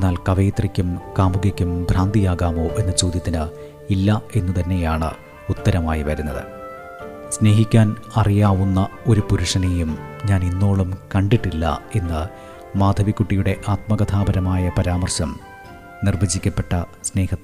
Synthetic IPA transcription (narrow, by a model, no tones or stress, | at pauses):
enːaːlkɐʋeːt̪rikʲːumkaːmuɡɐkʲːumbʱraːnd̪ijaːɣaːmo̞ːʔe̞nːɐt͡ɕo̞ːd̪jɐt̪ːinɨ | ilːɐe̞nːut̪ɐnːe̞jaːɳɨ̰ | ut̪ːɐɾɐmaːjiʋɐɾunːɐðɨ̰ | sne̞ːɦikʲːaːnɐrijaːʋunːɐo̞ɾupuɾuʂɐnejumɲaːnenːo̞ːɭumkɐɳɖiʈːilːɐ̰e̞nːɨ | maːd̪ʱɐʋikːuʈːijuɽe̞ʔaːt̪̚mɐɡɐt̪ʰaːbɐɾɐmaːjɐpɐɾaːmɐrɕɐm | nirʋɐd͡ʑikʲːɐpːe̞ʈːɐsne̞ːhɐt̪ːe